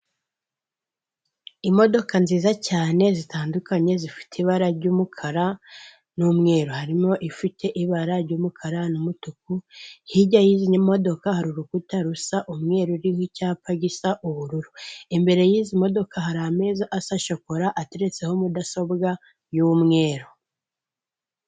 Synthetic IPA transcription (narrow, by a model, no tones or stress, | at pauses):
imo̞do̞kanziːzacaːne̞zitaːndukʰaɲe̞zifi̥tʰiβaɾaɾɟuːmukʰaɾa | numŋe̞ːɾohaɾimo̞ʔifitʰe̞ʔiβaɾaɾɟuːmukʰaɾanumutuk̚uhiɟajiːziɲamo̞do̞kahaɾuɾukutaɾusaʔumŋe̞ːɾoɾihicaːpaɡisaʔuβuɾuɾuimbe̞ɾe̞jiːzimo̞do̞kʰahaɾame̞ːzaʔasaʃoko̞ɾaʔate̞ɾe̞t͡se̞homudaso̞bɡa | jumŋe̞ːɾo